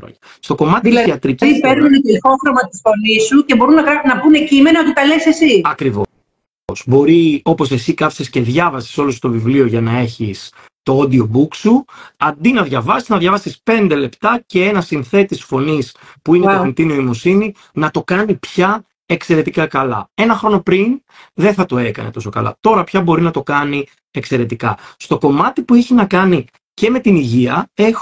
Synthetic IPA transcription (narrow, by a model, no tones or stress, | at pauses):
o̰ɐ | st̪o̞ko̞mɐtiiɐiɐt̪ɾiciipeɾunnɐt̪elxoxɾomɐt̪isfo̞nisuce̞bo̞ɾunɐkɐnɐbunecime̞nɐot̪it̪ɐlesesiɐkɾivo̰ | sbo̞ɾio̞po̞se̞sikɐfsesce̞ðʝɐvɐsi̥so̞lost̪ovivlio̞ʝɐnɐe̞çis | t̪o̞od̪io̞buksuɐnd̪inɐðʝɐvɐsiznɐðʝɐvɐsispe̞nd̪e̞le̞pt̪ɐce̞e̞nɐsinθe̞t̪isfo̞nispuineɐent̪inioimo̞sini | nɐt̪o̞kɐnipçɐ | e̞kse̞ɾe̞t̪ikɐkɐlɐ̰e̞nɐxɾo̞no̞pɾin | ðeθɐt̪o̞e̞kɐ̰nḛt̪o̞so̞kɐ̰lɐ̰t̪o̞ɾɐpçɐbo̞ɾinɐt̪o̞kɐni | e̞kse̞ɾe̞t̪ikɐ̰st̪o̞ko̞mɐt̪ipueçinɐkɐni | ce̞me̞t̪iniʝiɐe̞x